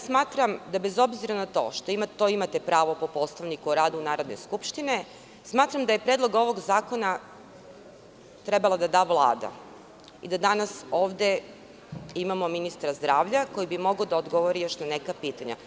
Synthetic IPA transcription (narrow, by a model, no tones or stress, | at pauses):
smaːt̪ɾamd̪abe̞zo̞bziɾanat̪o̞̰ʃt̪oimat̪oimat̪e̞pɾaːʋo̞po̞po̞st̪aʋnikuɾaːd̪unaːɾo̞d̪ne̞̰skupʃt̪ine̞ | smaːt̪ɾamd̪aje̞pɾe̞ːd̪lˠo̞ɡo̞ʋo̞ɡzaːko̞na | t̪ɾe̞balˠad̪ad̪aːʋlˠa̰ːd̪a̰ | ḭd̪ad̪anaso̞ːʋd̪e̞ | imamo̞minist̪ɾazd̪ɾaːʋʎako̞jibimo̞ɡod̪aod̪ɡo̞ʋoɾijo̞ʃnane̞kapiːt̪aɲa̰